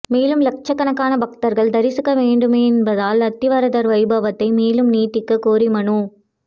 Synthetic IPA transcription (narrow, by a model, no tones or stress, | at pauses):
meːlɯmlɐk̚t͡ʃɐkːɐnɐkːaːnɐbɐk̚t̪ɐɾɣɐɭd̪ɐɾɪsɯkːɐʋeːɳɖɯmeːɛnbɐðaːlɐt̪ːɪʋɐɾɐðɐɾʋɐɪbɐʋɐt̪ːɐɪmeːlɯmniːʈːɪkːɐkoːɾimɐɳu